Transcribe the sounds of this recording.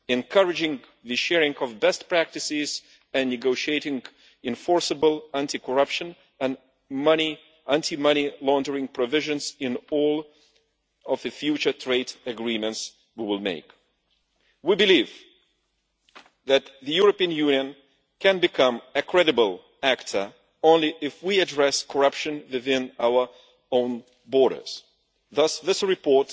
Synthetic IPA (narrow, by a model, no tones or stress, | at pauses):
ɨ̃nkʰʌɹɨd͡ʒɪ̃ŋ | ðɨʃɛɹɪ̃ŋʌvbɛstpɹ̥æk̚tɨsɪz̥ | ɨ̃nːɨɡoʊʃieɪɾɪ̃ŋ | ɨ̃ɱfɔɹsɨbəl̩ˠæ̃ntikʰə˞ʌpʃɨ̃n | ɨ̃n | mʌni | ʔæ̃ntʰimʌñilɔ̃ndə˞ɪ̃ŋpʰɹɔvɪʒɨ̃nzɪ̃nɔlˠ | ʌvðɨfjʉt͡ʃə˞tʰɹ̥eɪdɨɡɹĩmɨ̃nts | wiwɪlˠmḛɪk | wibɨliv | ðɨt̪̚ðɨjʊɹɨpiɨ̃njʉ̃njɨ̃n | kʰɨ̃nbɨkʰʌ̃mɨkʰɹ̥ɛɾɨbəl̩ˠ | æktʰə˞ | õʊ̃nliʔɪfwiɨdɹɛskʰə˞ʌpʃɨ̃nwɨðɪ̃naʊə˞ | õʊ̃n | bɔɹɾə̰˞z̥ | ðʌsðɪsɹɨpʰɔɹt